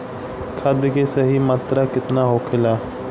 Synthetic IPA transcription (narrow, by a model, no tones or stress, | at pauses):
kʰəd̪keːsəɦiːmaːt̪ɾaːkɪt̪naːɦoːkʰɪlaː